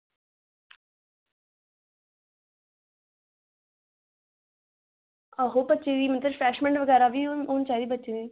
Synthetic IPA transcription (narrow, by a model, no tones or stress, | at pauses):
əɦoːbətːʃeːd̪iːmət̪əɾfʰɾɛːʃmə̃ɳɖʋəɡɛːɾaːʋiːoːnt͡ʃaːid̪iːbətːʃeːniː